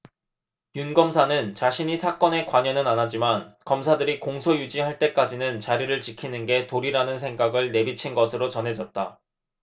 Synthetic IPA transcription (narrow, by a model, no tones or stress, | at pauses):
junɡʌmsʰanɯnt͡ɕaɕʰiɲisʰak͈ʌne̞kwaɲʌnɯnanɦad͡ʑimankʌmsʰadɯɾikoŋsʰojud͡ʑiɦaɭt͈e̞k͈ad͡ʑinɯnt͡ɕaɾiɾɯɭt͡ɕikʰinɯnɡe̞toɾiɾanɯnsʰe̞ŋɡaɡɯɭne̞bit͡ɕʰinɡʌsʰɯɾot͡ɕʌnɦe̞d͡ʑʌt̚t͈a